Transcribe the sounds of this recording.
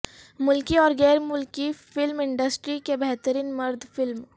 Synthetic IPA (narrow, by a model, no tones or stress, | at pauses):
mʊlkiɔːɾɡɛːɾmʊlkifɪlmɪ̃ɳɖəsʈɾikebɛɦt̪əɾiːnmɐɾd̪ʱfɪlm